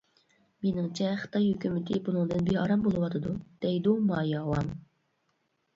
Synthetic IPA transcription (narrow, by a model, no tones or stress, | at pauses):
menɪŋt͡ʃʰɛχə̥t̪ʰɑjhøkʲymɪt̪ʰɪbunɨŋd̪ɨnbehɑɾɑmbolˠɨwɑt̪ʰɨd̪ud̪̥ɛjd̪umɑːjɑːwɑm